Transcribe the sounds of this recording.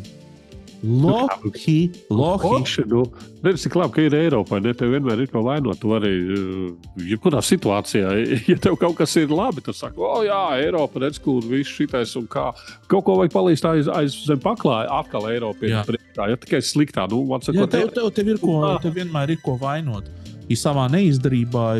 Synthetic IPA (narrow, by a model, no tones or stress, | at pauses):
lˠɔaxiːlˠɔxʃnuɾɛd̪d͡z̪t̪iklˠab̚kaiɾɛjɾɔːpajnɛt̪ɛwviɛnmæːɾiɾkuɔvajnuɔt̪t̪uaɾi | jɛp̚kuɾaːsit̪uaːt̪sijaːjat̪ɛwkawkasiɾlˠabit̪usakɔːjaːɛjɾɔːpɾɛd̪z̥kuɾvisʃit̪ajsunkaːkawkuɔvajk̚palˠiːst̪ajza̰jzzɛmʲpaklˠɑːjʔat̪̚kalˠɛjɾɔːpipɾiɛkt̪aːjat̪i̥kajslˠikt̪a̰ːnuvaɾsakjkuɔt̪t̪wt̪ɛwt̪ɛwiɾkuɔt̪ɛwviɛnmæːɾiɾkuɔʋajnuɔt̪ | isaʋaːnɛizd̪ɛɾiːbaː